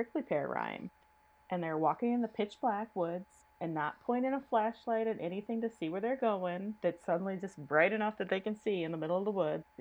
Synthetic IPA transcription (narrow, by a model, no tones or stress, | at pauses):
ɹ̥ɪklipʰɛɹɹã̰ɪ̃m | ʔɨ̃nðə˞wɔkɪ̃ŋɨ̃nðəpʰɪt͡ʃb̥lækwʊdz̥ | ɨ̃nːət̚pʰɔ̃ɪ̃ɾ̃ɪ̃ŋəflæʃlaɪɾɨ̃nʔɛñiθɪ̃ŋtɨsiwə˞ðə˞ɡoʊɪ̃ŋðɨtsʌdⁿn̩lid͡ʒʌsb̥ɹaɪɾɨnʌfðɨt̪̚ðeɪkɨ̃nsiɨ̃nðəmɪɾl̩ˠʌvðəwʊd